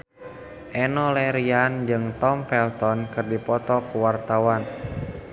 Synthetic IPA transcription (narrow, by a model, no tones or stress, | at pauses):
ʔɛnɔlɛɾiand͡ʒɨŋt̪ɔmfɛlt̪ɔnkɨrdipɔt̪ɔkuwart̪awan